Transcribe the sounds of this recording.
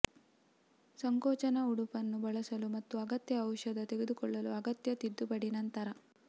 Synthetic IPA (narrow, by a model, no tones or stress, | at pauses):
sɐŋkɔːt͡ʃɐnɐuɽupɐnːubɐɭɐsɐlumɐt̪ːuɐɡɐt̪jɐːwʃɐd̪ɐt̪e̞ɡed̪ukɔɭːɐluɐɡɐt̪jɐt̪id̪ːubɐɽinɐnt̪ɐɾɐ